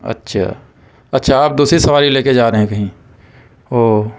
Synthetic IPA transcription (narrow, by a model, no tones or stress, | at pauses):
ɐ̰tːʃʰa̰ː | ɐtːʃʰaaːp̚d̪uːsɾisɐʋaːɾileːked͡ʒaːɾɐɦẽkɐɦĩ | oː